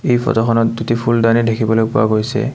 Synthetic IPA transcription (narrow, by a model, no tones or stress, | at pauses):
ejpʰɔ̰tɔxʰɔnɔtdutipʰuldanidekʰibɔlokpʊa̰ɡojsɛ̰